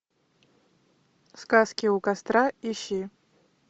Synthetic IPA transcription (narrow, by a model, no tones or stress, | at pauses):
skʼaskʲiukʼast̪ʼraiʃi